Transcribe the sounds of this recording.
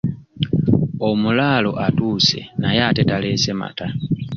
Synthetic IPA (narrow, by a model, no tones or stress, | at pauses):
omulalo̞ʔatuːse̞̰najaːtetalesema̰ta